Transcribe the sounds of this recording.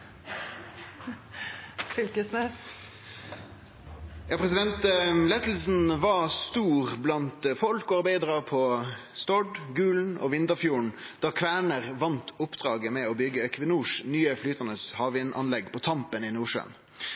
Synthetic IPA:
fʏlkəsnɛs | jɑːpʰɾɛs̬ɪd̪ɛnt̪lɛt̪l̩sn̩ʋɑst̪uːʁblɑnt̪fɔlkɔɑɾbæɪd̪ʁɑpʰɔst̪ɔɖɡʉːln̩ɔ̰ʋɪnt̪əfjuːɳ̩d̪̥ɑːkʰʋæːɳəʁʋɑnt̪ʊpːd̪ʁɑːɡəmɛɔbʏɡəkʰʋɪnuːʂnyːəflyːt̪ənəshɑːʋɪnʔɑ̰nlɛɡpʰɔt̪ʰɑmpənɪnuːʂø̰n

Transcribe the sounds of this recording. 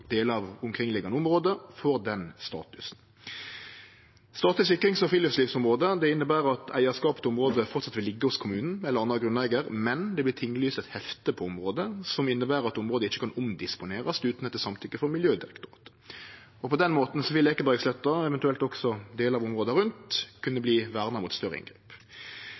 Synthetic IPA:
d̪̥eːləɑʋʊmkʰʁɪŋlɪɡɑnəʊmʁoːd̪əfɔʁd̪ɛnst̪ɑ̰ːt̪ʉsn | st̪ɑːt̪ʉsɪkːəʁɪŋsɔfɪləfsliːfsɔmʁoːd̪əd̪ɛɪnːəbæːʁɑt̪ʰæɪəskɑːpə̥t̪ɔmʁoːd̪əfɔʁt̪sɑt̪ʋɪlːɪɡːəhʊskʰʊmʉːnn̩ɛlːɾʁɑnd̪ʁɑɡʁʉnæɪɡəʁmɛnd̪ɛblɪt̪ʰɪŋːlyːst̪ɛt̪hɛft̪əpʰɔʊmʁoːd̪əsɔmɪnːəbæːɾɑtt̪ʊmʁoːd̪əɪçːəkʰɑnʊmd̪ɪspʊneːʁɑst̪ʉːt̪n̩ɛt̪ːəsɑmt̪ʰʏkːəfɔʁmɪljøːd̪ɪʁɛkt̪ʊʁɑ̰ːt̪ | ɔpʰɔd̪ɛnmoːt̪n̩sɔʋɪleːkəbæɡslœt̪ːɑɛʋɛnt̪ʉɛlt̪ɔksɔd̪eːlɑʋɔmʁoːd̪əɾʉnt̪kʰʉnːəbliːʋæːʁnɑmʊːt̪st̪œɾːə̰ɪ̰nɡʁḛːp

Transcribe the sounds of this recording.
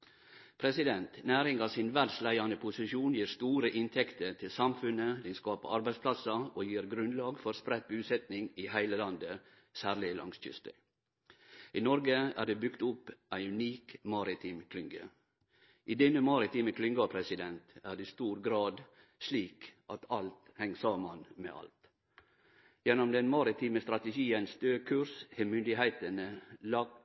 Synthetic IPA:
pʰɾɛsɪd̪ɛnt̪næːɾɪŋɑsɪnʋæɖslæɪɑnəpʰʊsɪʃuːnjiːɾst̪uːɾəʔɪnt̪ʰɛkt̪əɾt̪ʰɪlsɑmfʉnəd̪ɛnskɑːpə̰ʔɑɾbæɪspʰlɑsɑoːjiːɾɡɾʉnd̪lɑːɡfɔɾspɾɛt̪̚bʉːsɛt̪nɪŋiːhæɪləlɑnd̪ə | sæːɾɭɪlɑ̰ŋsc͡çʏ̰st̪ə̰ | ʔiːnɔɾɡəæ̰ːɖeːbʏkt̪ʊpʔæɪʉniːkmɑːɾɪt̪ʰiːmkʰlʏŋɡə̰ | ʔid̪ɛnːəmɑɾɪt̪iːməkʰlʏŋɡɑpʰɾɛsɪd̪ɛnt̪æːɖɛst̪uːɾɡɾɑːd̪ | sliːkʔɑt̪ʰɑlt̪hɛŋːsɑːmɑnmḛʔɑ̰lt̪ | jɛnɔmd̪ɛnmɑɾɪt̪ʰiːməst̪ɾɑt̪əɡiːənsd̪øːkʰʉɾshɛmʏnd̪ɪhæɪt̪ənəlɑɡ

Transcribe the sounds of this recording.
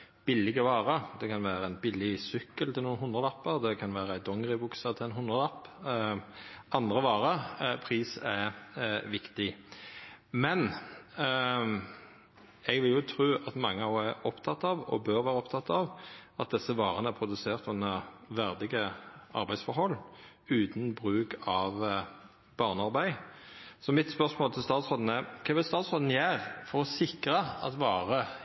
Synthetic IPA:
b̥ɪlːɪɡəʋɑːɾəd̪ɛkʰɑnʋæːɾəænbɪlːɪsʏkːəlt̪ʰɪlnuːnhʊnd̪ʁəlɑpːəʁd̪ɛkʰɑnʋæːɾəæɪd̪ɔŋʁɪbʊksət̪ʰɪɛnɦʊnd̪ʁəlɑpː | ʔɑnd̪ʁəʋɑːɾəpʰɾiːsɛ | ʋɪkt̪ɪ | mɛn | ɛɡʋɪljʊt̪ʰɾʉːʔɑt̪mɑŋːəɑæɾɔpt̪ʰɑt̪ːɑʋɔ̰bøːɾʋæːɾəɔpt̪ʰɑt̪ːɑʋʔɑt̪̚d̪ɛsːəʋɑːʁənəæʁpʰʊd̪ʉseːʁt̪ʊnːəʋæʁd̪ɪɡəʔɑ̰ɾbæɪsfɔɾhɔlːʉːt̪n̩bɾʉːkɑʋ | b̥ɑʁnəɑʁbæɪsɔmɪt̪spœʁsmoːlt̪ʰɪlst̪ɑːt̪sʁoːd̪n̩əkʰɛːʋɪlst̪ɑːt̪sʁoːd̪n̩jæːʁfɔɾɔsɪkɾəɑ̰t̪ʋɑːɾə

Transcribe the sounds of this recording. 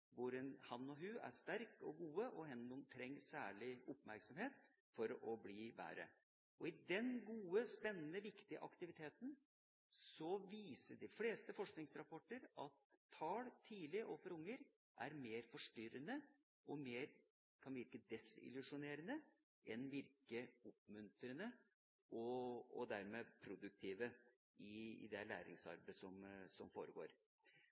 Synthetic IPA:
ʋʊɾɛnhɑnːɔɦʉːæ̰ɾʂt̪æɾkɔɡuːəʔɔɦɛnnɔmt̪ʰɾɛŋːsæ̰ːɭɪʊpmæɾksɑmheːt̪ | fɔɾɔbliːbæ̰ːɾə̰ | ʔɔɪd̪ɛnɡuːəspɛnːənəʋɪkt̪ɪə̰ʔɑ̰kt̪ɪʋɪt̪ʰeːt̪n̩ | sɔʋiːsəɖɪfleːst̪əfɔʂknɪŋsɾɑpʰɔʈːəɾɑt̪ʰːɑːlt̪ʰiːlɪʔɔfɔɾʊŋːəɾ | ʔæ̰ɾmeːɾfɔʂʈʏɾənə | ʔɔmeːɾ | kʰɑnʋɪɾkəd̪ɛsɪ̰lʉʂʊneːɾənə | ʔɛnʋɪɾkəʊpmʉnt̪ɾənə | ʔɔɔ̰d̪æɾmɛpʰɾʊd̪ʉk̚t̪ʰiːʋə | ɪɪ̰d̪ɛɭæ̰ːɾɪ̰ŋsɑ̰ɾbəsɔmsɔmfo̰ːɾəɡo̰ːɾ

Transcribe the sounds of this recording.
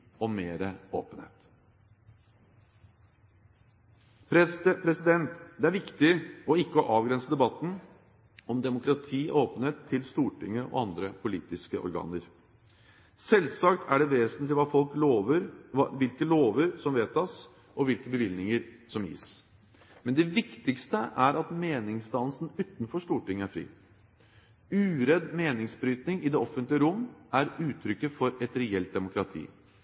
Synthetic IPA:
ɔmeːɾəo̰ːpənheːt̪ | pʰɾɛspʰɾɛsɪd̪ɛnt̪d̪ɛæɾʋɪkt̪ɪɔɪkːəɔʔɑːʋɡɾɛnsəd̪ɛbɑt̪ːn̩ | ɔmd̪ɛmʊkɾɑt̪ʰiːʔoːpən̩heːt̪ʰːɪlst̪uːʈɪŋːəʔɔ̰ɑnd̪ɾəpʰʊliːt̪ɪskəʔɔ̰ɾɡɑ̰ːnəɾ | sɛlsɑkt̪ʰæɖɛʋeːsənt̪lɪʋɑːfɔlk̪oːʋəɾʋɪlkəloːʋəɾsɔmʋeːt̪ɑs | ʔɔʋɪlkəbəʋɪlnɪŋəɾsɔmḭːs | mɛnd̪ɛʋɪkt̪ɪkst̪əʔæɾɑt̪meːnɪŋsd̪ɑnsn̩ʉːt̪nfɔʂt̪uːʈɪŋːæɾfɾḭː | ʉːɾɛd̪meːnɪŋsbɾyːt̪nɪŋɪd̪ɛːɔfənt̪lɪəɾʊmːæɾʉːt̪ʰːɾʏkːəfɔɾɛt̪ɾɛɛlt̪̚d̪ɛmʊkɾɑt̪ʰḭː

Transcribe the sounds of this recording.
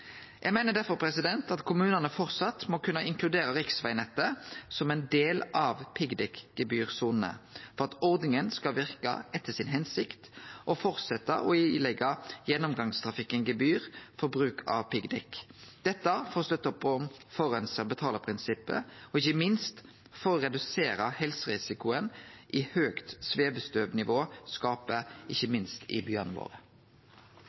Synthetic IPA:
jʔæɡmæɪnəd̪æɾfɔʁpʰɾɛsɪd̪ɛnt̪ɑt̪kʰʊmʉːnənəfɔɾt̪sɑt̪mokʰʉnːəɪŋklʉd̪eːɾəɾɪksʋæɪnɛt̪əsɔmɛnd̪eːlʔɑʋpʰɪɡd̪ɛkɡ̥əbyːʁsuːnnə̰fɔɾʁɑt̪ɔʁd̪nɪŋənskɑlʋɪʁkə̰ɛt̪ʰːəsɪnɦɛnsɪkt̪ʔɔfɔʁt̪sɛt̪ːə̰ʔɔilɛɡəjɛnːʊmɡɑŋst̪ʰʁɑfɪkːənɡəbyːʁfɔbʁʉːkʰɑ̰ʋpɪɡd̪ɛkd̪̥ɛt̪ːəfɔʁst̪œt̪ːəpʰɔmfɔʁɛnsəbət̪ʰɑːləʁpʰʁɪnsɪpːə̰ɔɪçəmɪnst̪ | foːʁʁɛd̪ʉseːɾəhɛlsəɾɪsɪkʊənʔiːhøːkt̪sʋeːbəst̪øːʋnɪʋoːskɑːpəʔɪçːəmɪnst̪ʰɪ̰bjœʁnəʋo̰ːɾə

